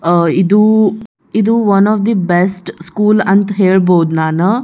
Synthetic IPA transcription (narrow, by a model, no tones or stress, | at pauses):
id̪u | id̪uʋɐnɔːfd̪ibesʈskuːlɐnt̪ɐɦeːɭboːud̪unaːnu